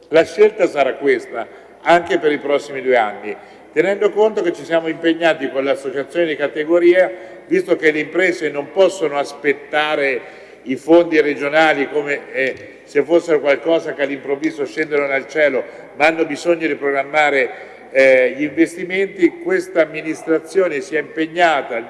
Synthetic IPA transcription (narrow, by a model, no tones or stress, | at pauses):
laʃːelt̪asaɾakːwest̪a | aŋkepeɾipɾɔsːimid̪ueanːi | t̪enɛnd̪okont̪oket͡ʃːisjaːmoimpeɲːaːt̪ikonleasːot͡ʃat̪sjoːned̪ikat̪eɡoɾiːa | vist̪okelːeimpɾɛːzenompɔsːonoaspet̪ːaːɾe | ifond̪iɾed͡ʒonaːlikomeɛ | sefːosːeɾokwalkɔːzakealːimpɾovːiːzoʃːɛnd̪enonelt͡ʃɛːlo | maanːobizoɲːod̪ipɾoɡɾamːaːɾe | ʎiɱvest̪iment̪ikwest̪aːmːinist̪ɾat̪sːjoːnesiɛimpeɲːaːt̪a